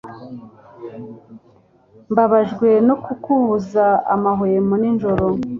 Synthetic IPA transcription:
mbaβaʒɡwe̞no̞kukuβuzaamaɦojemuninʒo̞ɾo

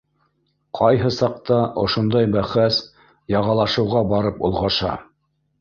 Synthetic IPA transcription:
qʰɑjɦɤsɑq̚t̪ɑʔŏ̰ʃŏnd̪ɑjbæχæs | jɑʁɑlˠɑʃɤ̆wʁɑbɑɾɤpŏ̰lˠʁɑʃɑ̰

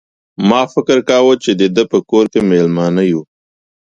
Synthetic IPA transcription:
mɑːfɪkəɾkɑːwot͡ʃed̪ed̪əpəkoːɾkemelmɑnaju

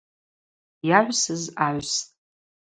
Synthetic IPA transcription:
jaʕʷsɨzaːʕʷstʼ

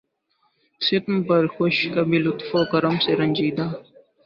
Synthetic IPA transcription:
sɪt̪mpɐɾxoʃkɐbʱilʊt̪foːkɐɾəmseɾɐ̃nʲd͡ʒiːd̪aː

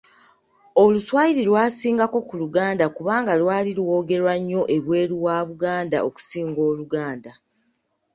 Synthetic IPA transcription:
o̞luswaːjiɾilwaːsiːŋɡako̞kuluɡaːndakuβaːŋɡalwaːlilwo̞ːɡe̞ɾwaɲːo̞ʔe̞βwe̞ːɾiwaːβuɡaːnda̰ʔoku̥siːŋɡo̞ːluɡaːnda

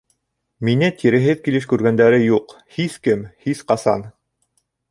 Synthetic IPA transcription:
minɘt̪iɾɘ̆ɦɘðkilɘʃkʉɾɡænd̪æɾɘjuq | hiskɘmhisqɑsɑ̰n

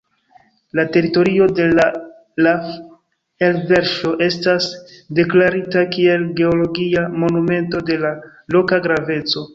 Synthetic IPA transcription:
late̞ɾito̞ɾio̞de̞la | la | elve̞ɾʃo̞ʔe̞stasde̞klaɾitakie̞lɡe̞olo̞ɡiamo̞nume̞nto̞de̞lalo̞kaɡɾave̞t͡so̞

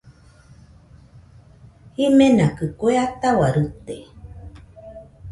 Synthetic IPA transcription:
himenakɨkoeat̪awaɾɨt̪e

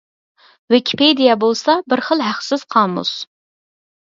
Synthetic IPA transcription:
wɪkʲʰi̥ped̪ijɛbolˠsɑbɪɾχəlˠɦæχsɪz̥qʰɑːmṵs

